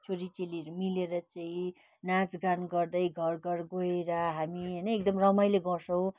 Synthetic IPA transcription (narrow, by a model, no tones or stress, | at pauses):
t͡sʰoɾit͡seliɾmileɾʌt͡saĩ | nad͡zɡanɡʌrd̪ʌjɡʱʌrɡʌrɡoeɾʌɦamiɦʌjnʌekd̪ʌmrʌmʌjleɡʌsʰʌw̃